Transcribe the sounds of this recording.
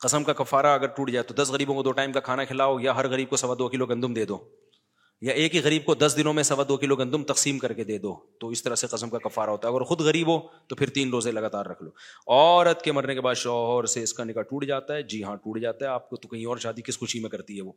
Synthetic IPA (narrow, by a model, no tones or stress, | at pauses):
qɐsəmkakɐfːaːɾaɐɡəɾʈuːʈd͡ʒaːet̪od̪ɐsɣɐɾiːbõkod̪oːʈaːɪmkakʰaːnakʰɪlaːojaɦɐɾɣɐɾiːb̚kosɐʋad̪oːkɪloɡɐ̃nd̪ʊmd̪eːd̪oː | jaʔeːkɦiɣɐɾiːb̚kod̪ɐsd̪ɪnõmẽsɐʋad̪oːkɪloɡɐ̃nd̪ʊmt̪ɐqsiːmkɐɾked̪eːd̪oːt̪oɪst̪ɐɾaseqɐsəmkakɐfːaːɾaɦoːt̪aɦɐɡəɾxʊd̪ɣɐɾiːboːt̪opʰɪɾt̪iːnɾoːzẽlɐɡaːt̪aːɾːɐkʰloːɔːɾət̪kemɐɾnekebaːd̪ʃɔːɦɾseɪskanɪkaʈuːʈd͡ʒaːt̪aɦɛd͡ʒiːɦãʈuːʈd͡ʒaːt̪aɦɛaːp̚kot̪okɐɦĩɔːɾʃaːd̪ikɪsxʊʃimẽkɐɾt̪iɦɛʋoː